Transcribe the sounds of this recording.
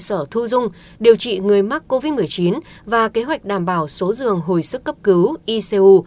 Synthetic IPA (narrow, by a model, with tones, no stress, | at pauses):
səː˧˩t̪ʰu˧zʊ˧ŋ͡m | ɗi˨˩əwt͡ɕḭ˧˨ŋɨ˨˩əjma˦˥k̚ko˧vi˦˥t̚mɨ˨˩əjt͡ɕi˨˦n | vaː˨˩ke˨˦ɦwa˨˩jk̟̚ɗaː˧˩mɓaː˧˩wso˨˦zɨ˨˩əŋɦo˨˩jsɨ˦˥k̚ːə˦˥p̚kɨ˨˦wʔi˧se˧ʔu˧